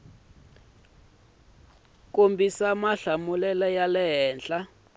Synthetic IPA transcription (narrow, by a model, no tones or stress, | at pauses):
k̬ombisamaɬamulɛlɛjalɛɦɛːnɬa